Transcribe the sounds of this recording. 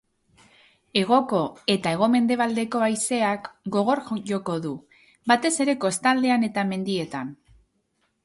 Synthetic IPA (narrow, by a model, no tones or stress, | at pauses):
e̞ɣ̞o̞ko̞e̞t̪ae̞ɣ̞o̞me̞nd̪e̞β̞ald̪e̞ko̞ajse̞akɡo̞ɣ̞o̞ɾxjo̞ko̞ðu | bat̪e̞se̞ɾe̞ko̞st̪ald̪e̞ane̞t̪ame̞nd̪ie̞t̪an